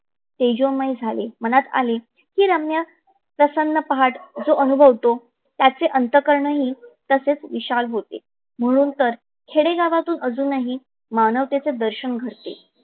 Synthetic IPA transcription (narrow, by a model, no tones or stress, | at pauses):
t̪ed͡ʑomajd͡zʱalem̤əñat̪a̰le | kiːɾamnja | pɾəsənːəpəɦaʈd͡zoʔənubʱəʋt̪o | t̪jat͡seʔənt̪əkəɾɳəɦiːt̪əset͡sʋiɕalɦot̪ḛ | m̤əɽ̃uːnt̪əɾ | kʰeɽeɡaʋat̪uːnʔəd͡zuːnːaɦi | manəʋt̪et͡sed̪əɾɕəɳɡʱəɾt̪ḛ